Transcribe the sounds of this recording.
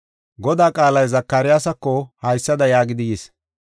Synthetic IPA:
ɡɔd̪aːkʼaːlɐjzɐkːɐɾɪjaːsɐkːɔhɐjsːɐd̪ɐjaːɡɪd̪ɪjes

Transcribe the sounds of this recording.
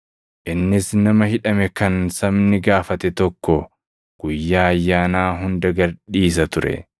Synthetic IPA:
ʔɪnːɪsnɐmɐhɪᶑɐmɛkɐnsɐmnɪɡaːfɐt̪ɛt̪ɔkːɔ | ɡ̥ʊjːaːɐjːaːnaːɦʊnd̪ɐɡɐɾᶑiːs̬ɐt̪ʊɾɛ̰

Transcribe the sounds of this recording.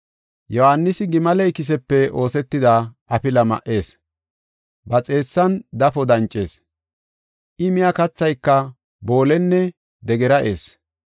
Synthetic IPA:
jɔhanːɪsɪɡɪmɐlɛjkɪs̬ɛpːɛo̞ːsɛt̪ːɪd̪a | ɐpɪlɐmɐ̰ʔe̞ːs | bɐt͡sʼe̞ːsːɐnd̪ɐfɔd̪ɐnt͡ʃʼːe̞ːs | ʔɪmɪjakɐt͡sːɐjkːɐ | bo̞ːlɛnːɛ | d̪ɛɡɛɾɐʔḛːs

